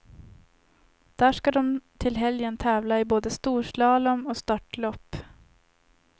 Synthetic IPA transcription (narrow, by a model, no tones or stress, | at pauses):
d̪̥æːʂkad̪ɔmt̪ʰɪlɦɛljənt̪ʰɛːvlaɪboːd̪əst̪uːʂlɑːlɔmɔst̪ɑʈɭɔpː